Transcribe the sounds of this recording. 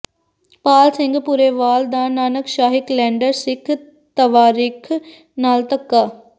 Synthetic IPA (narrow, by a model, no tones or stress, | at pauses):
paːlsɪ̃ŋɡpuːɾeːʋaːld̪aːnaːnəkʃaːɦɪklɛ̃ːɳɖəɾsɪkʰ | t̪əʋaːɾiːkʰ | naːlt̪əkːaː